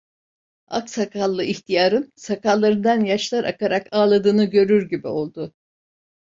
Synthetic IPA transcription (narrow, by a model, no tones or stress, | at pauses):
a̰ksakʰalˠːɯʔiçt̪ʰijaːɾɯnsakʰalˠːaɾɯnd̪anjaʃlˠaɾʔakaɾakaːlˠad̪ɯːnɯɟø̞ɾyɾɟibio̞lˠd̪ʊ